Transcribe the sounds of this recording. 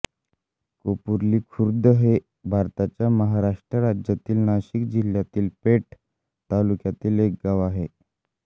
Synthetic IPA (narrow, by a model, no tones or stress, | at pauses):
kopuɾliːkʰuɾd̪əɦe | bʱaɾt̪at͡ɕjaməɦaɾaʂʈɾəɾad͡ʑjat̪iːlnaɕikd͡ʑiljat̪iːlpeʈ | t̪alukjat̪iːlek̚ɡaʋaɦe